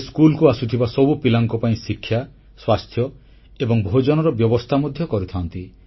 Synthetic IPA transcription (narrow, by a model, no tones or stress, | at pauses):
skulkuasut̪ʰibasɔbupilaŋkɔpaĩsikʰːja | swast̪ʰjɔ | ebɔŋbʱod͡ʒɔnɔɾɔbjɔbɔst̪ʰamod̪ʱjɔkɔɾit̪ʰant̪i